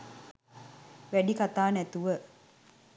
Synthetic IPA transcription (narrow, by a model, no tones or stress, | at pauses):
ʋæɖikat̪aːnɛt̪uʋə